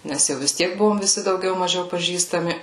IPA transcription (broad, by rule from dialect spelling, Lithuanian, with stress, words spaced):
ˈnʲɛs jɛʊ ʋʲɪs ˈtʲiɛk ˈbʊʋoːm ʋʲɪˈsʲɪ dɐʊˈɡʲɛʊ mɐˈʒʲɛʊ pɐˈʒʲiːstɐmʲɪ